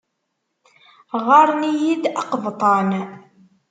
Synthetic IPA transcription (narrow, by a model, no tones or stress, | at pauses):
ʁɑɾˤnijid̪ɑqvt̪ˤɑn